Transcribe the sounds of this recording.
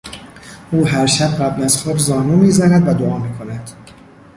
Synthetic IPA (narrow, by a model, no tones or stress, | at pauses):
ʔuːɦæɾʃæb̚ɢæblæzxoːbzɒːnuːmiːzænæd̪væd̪oɒːmiːkʰo̞næd̪̥